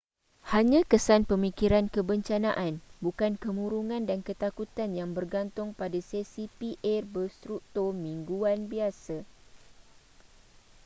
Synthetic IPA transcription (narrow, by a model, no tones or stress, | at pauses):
haɲãkəsanpəmĩkiɾankəbəɲt͡ʃanaʔanbukankəmũɾuŋãndankət̪akut̪anjaŋbərɡant̪ʊŋpadasesipiʔɛrbəst̪ɾuk̚t̪ɔrmĩŋɡuanbiasa